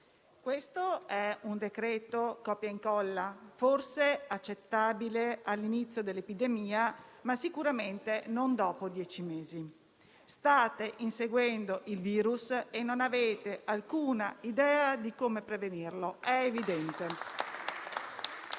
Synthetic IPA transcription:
kwest̪oɛund̪ekɾɛːt̪okɔpːjaiŋkɔlːaforseat͡ʃːet̪ːaːbilealːinit̪sːjod̪elːepid̪emiːamasikuɾament̪enond̪ɔːpod̪jɛːt͡ʃimeːzi | st̪aːt̪eʔinseɡwɛnd̪oʔilviːɾusenːonaveːt̪eʔalkuːnaid̪ɛːad̪ikomepɾevenirloɛevid̪ɛnt̪e

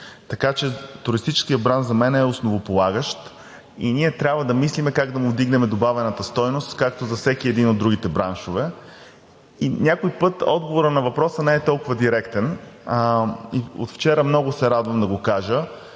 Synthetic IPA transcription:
t̪ɐkat͡ʃɛt̪ʊɾist̪it͡ʃɛ̥skijəbɾanzɐmɛnɛosnovopolˠaɡəʃt̪ | ḭniɛt̪ɾʲabvəd̪ɐmislimɛkaɡd̪ɐmʊvd̪iɡnɛmɛd̪obavɛnət̪əst̪ɔjnost̪kak̚t̪ozɐfsɛkiɛd̪inod̪ːɾuɡ̟it̪ɛbɾanʃovɛ | inʲakojpɤt̪ɔ̰d̪̚ɡovoɾənɐvɐpɾɔsənɛɛt̪ɔlˠkʊvɐd̪iɾɛkt̪ɛn | io̰t̪ft͡ʃɛɾəmnɔɡʊsɛɾad̪vəmd̪ɐɡokaʒə

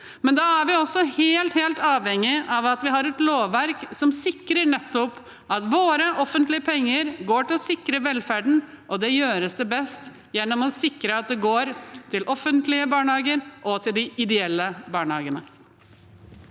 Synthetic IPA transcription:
mɛnd̪ɑæɾʋɪɔsːɔheːlt̪heːlt̪ɑːʋhɛŋːɪʔɑʋɑt̪ʋɪɦɑɾɛt̪loːʋːæɾksɔmsɪkɾəɳɛt̪ːɔp | ɑt̪ʋoːɾəʔɔfːənt̪lɪəpʰɛŋːəɾɡoːʈɪlɔsɪkːɾəʋɛlfæɖɳ̩ | ʔɔd̪ɛjøːɾəsd̪ɛbɛst̪ | jɛnːɔmɔsɪkɾəɑt̪̚d̪ɛɡoːɾt̪ʰɪlʔɔfənt̪lɪəbɑːɳhɑːɡəɾʔɔt̪ʰɪld̪ɪɪd̪ɛɛlːəbɑːɳhɑːɡənə

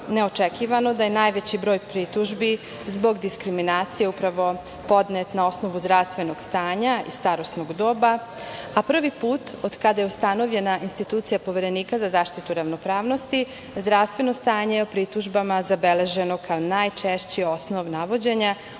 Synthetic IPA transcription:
ne̞o̞t͡ʃekiʋano̞d̪aje̞naːjʋet͡ɕibɾo̞ːjpɾit̪uʒbi | zbo̞ɡd̪iskɾiminaːt̪sije̞upɾaʋo̞ | po̞d̪net̪nao̞sno̞ʋuzd̪ɾaʋst̪ʋe̞no̞ɡ̥st̪aːɲaḭst̪aɾo̞snoɡd̪o̞ːba | apr̩ʋipuːt̪od̪kad̪ajeust̪ano̞ʋʎe̞naʔinst̪it̪uːt̪sijapo̞ʋe̞ɾe̞niːkazazaːʃt̪it̪uɾaʋno̞pɾaːʋno̞st̪i | zd̪ɾaʋst̪ʋe̞no̞st̪aːɲejeopɾit̪uʒbamazabe̞le̞ʒe̞no̞kʰaonajt͡ʃeʃt͡ɕio̞sno̞ʋnaʋo̞d͡ʑe̞ɲa

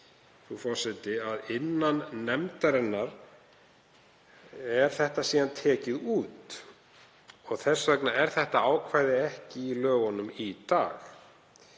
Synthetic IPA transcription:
θufɔɾ̥sɛt̪ɪaðɪnːanːɛmt̪aɾɛnːaɾ | ɛɾ̥θɛht̪asiːðant̪ʰɛːcɪðuːt̪ | ɔɣθɛsːvœknaɛɾ̥θɛht̪aaːwkʰvaːjðɪɛhcɪːlœːɣɔnʏmit̪aːx

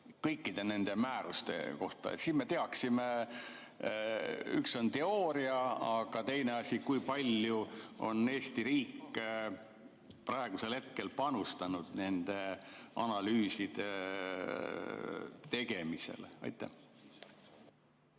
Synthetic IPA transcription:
kɤjkːˑid̪̥e̞ne̞nd̪̥e̞mæːɾust̪ḛko̞ht̪ɑ̰ḛt̪siːnme̞t̪eɑksime | y̰kso̞nt̪e̞oːɾiɑɑɡ̥ɑt̪e̞jneɑsʲikujpɑlʲjuo̞̰ne̞ːsʲt̪iɾiːkːˑ | pɾɑeɡ̥use̞lhe̞t̪̚ke̞lpɑnust̪ɑnud̪̥ne̞nd̪̥e̞ɑnɑlyːsid̪̥e̞ | t̪e̞ɡ̥e̞mise̞̰lɑ̰jt̪ˑːæ̰h

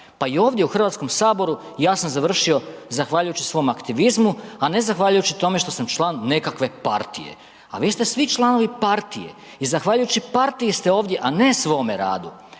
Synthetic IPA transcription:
paio̞ːʋd̪je̞uxr̩ʋat̪sko̞msaːbo̞ɾu | jaːsamzaʋr̩ʃio̞zaxʋaːʎujut͡ɕisʋo̞makt̪iʋizmuane̞zaxʋaːʎujut͡ɕit̪o̞me̞ʃt̪o̞samt͡ʃlˠaːnːe̞kakʋe̞pa̰ɾt̪ḭjḛ | a̰ʋiːst̪e̞sʋit͡ʃlˠano̞ʋipaɾt̪ije̞̰ | izaxʋaːʎujut͡ɕipaɾt̪iist̪e̞oːʋd̪je̞ʔane̞sʋo̞ːme̞ɾa̰ːd̪u

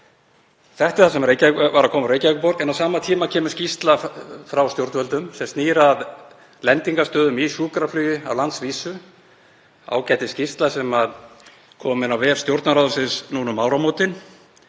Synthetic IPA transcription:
θɛht̪ɪ̥θasɛmreːjcaɛkvaɾakʰɔːmɾeːjcavɛkʏpɔɾkɛnawsaːmat̪ʰiːmacʰɛːmʏscist̪lafɾawst̪jowɾt̪vœlt̪ʏmsɛmst̪niːɾað | lɛnt̪iŋkast̪œːðʏmisuːkɾaflœːjʏa̰wlant̪sviːsʏ | a̰ːwcajt̪ɪ̥scist̪lasɛmað | kʰɔːmɪnawvɛːɾ̥st̪jowɾt̪naɾawðʏsɪnsnuːnʏmːaːwɾamoːwt̪ɪn

